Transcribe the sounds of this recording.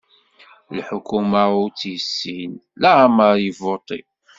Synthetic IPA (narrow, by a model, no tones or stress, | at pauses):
lħʊkumaut͡sːjəsːinlæməɾjəvot̪ˤḭ